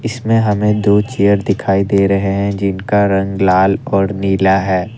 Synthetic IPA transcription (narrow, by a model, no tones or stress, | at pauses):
ɪsmẽɦɐmẽd̪oːt͡ʃijəɾd̪ɪkʰaːid̪eːɾɐɦeɦɛ̃d͡ʒɪnkaɾɐ̃ŋɡlaːlɔːɾniːlaɦɛː